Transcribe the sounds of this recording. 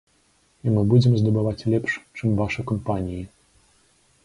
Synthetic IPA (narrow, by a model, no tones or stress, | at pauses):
imɨbud͡zʲɛmzd̪ɐbɨvat͡sʲlʲɛpʂt͡ʂɨmvaʂɨkɐmpanʲiji